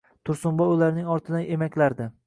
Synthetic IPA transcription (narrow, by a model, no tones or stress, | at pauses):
t̪ʰʊɾsʊmbɒʊlaɾnɪŋɒɾt̪ʰɪd̪anʔe̞makʲlaɾd̪ɪ